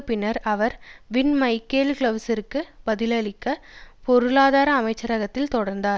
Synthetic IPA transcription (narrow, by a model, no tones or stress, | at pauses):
pːɪnɐɾɐʋɐɾʋɪnmɐɪkːeːlklɐʋsɪɾkːɯbɐðɪlɐɭɪkːɐpɔɾɯlaːðaːɾɐːmɐɪt͡ʃːɐɾɐɣɐt̪ːɪlt̪ɔɽɐɾnd̪aːɾ